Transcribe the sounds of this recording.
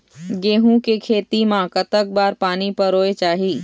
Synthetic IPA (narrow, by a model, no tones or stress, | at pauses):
ɡeːɦũkekʰeːt̪imãkət̪ək̚baːɾpaːnipəɾoːet͡ʃaːɦiː